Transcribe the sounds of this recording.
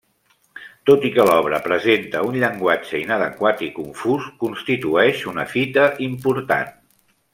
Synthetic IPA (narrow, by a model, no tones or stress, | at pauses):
t̪ot̪ikəlɔβ̞ɾəpɾəzent̪əunʎəŋɡwad͡ʒəinəðə̰kwat̪ikuɱfuskunst̪it̪uɛʃunə̰fit̪əʔimpuɾt̪a̰n